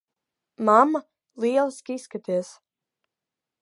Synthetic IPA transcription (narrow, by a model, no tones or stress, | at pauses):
mamːa | lˠiɛlˠiskʲisːkat̪iɛs